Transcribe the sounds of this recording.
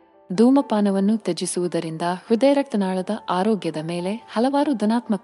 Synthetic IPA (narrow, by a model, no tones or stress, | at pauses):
d̪ʱuːmɐpaːnɐʋɐnːut̪ed͡ʒisuʋud̪ɐɾind̪ɐhɾud̪eːɾɐk̚t̪ɐnaːɭɐd̪ɐʔaːɾoːɡjɐd̪ɐme̞ːle̞hɐlɐʋaːɾud̪unaːt̪mɐk